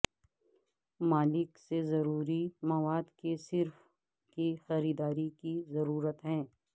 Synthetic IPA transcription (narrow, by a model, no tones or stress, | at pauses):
maːlɪksezɐɾuːɾimɐʋaːd̪kesɪɾf | kixɐɾiːd̪aːɾikizɐɾuːɾət̪ɦɛ̃ː